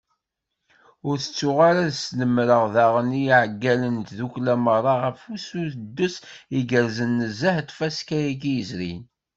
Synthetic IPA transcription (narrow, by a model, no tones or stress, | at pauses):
ʊɾθə̥t͡sːʊʁaɾaðsnəmɾəʁðaʁəniʕəɡːælənt̪ðuklæmərˤːɑʁəfusuθəd̪ːʊsiɡəɾzənːəzaħt̪fæskæjiɡijəzɾḭn